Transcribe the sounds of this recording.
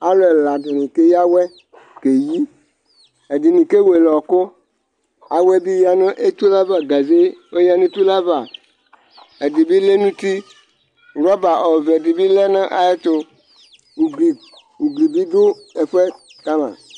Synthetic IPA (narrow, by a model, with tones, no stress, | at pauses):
a˦lo˦ɛ˨la˨ɖe˨nĩ˨ke˦ja˦wɛ˦ | ke˨ji˦ | e˨di˨nĩ˨ke˦we˨lɔ˨kʊ˦ | a˨wɛ˦bi˦ja˦nə̃˦ʔe˦t̪u˦la˦va˨ɡa˨ze˦wo˦ja˦nẽ˦t̪u˦la˦va˨ | e˨di˨bi˦le˦nũ˦t̪i˦ | ɾɔ˦ba˨ʔɔ˨vɛ˨di˨bi˦lɛ˦nə̃˦ʔa˨e˦t̪o˦˨ | i˨ | u˨ɡli˨bi˦dʊ˦ | e˨ɸɛ˦ | ka˦mã̰˨